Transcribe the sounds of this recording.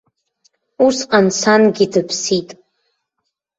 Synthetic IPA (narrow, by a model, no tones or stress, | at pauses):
usqʼansanɡʲidɨpʰsitʼ